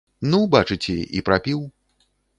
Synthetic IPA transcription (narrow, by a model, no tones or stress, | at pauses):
nubat͡ʂɨt͡sʲɛʔḭpɾapʲiw